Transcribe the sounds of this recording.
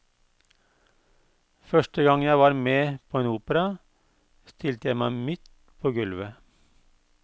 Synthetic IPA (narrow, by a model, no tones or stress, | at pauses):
fœʃʈəɡɑŋjæɪʋɑːɾmeːpʰoːeːnuːpəɾɑ | st̪ʰɪlt̪əjæɪmæɪmɪt̪ | pʰoːɡʉlʋə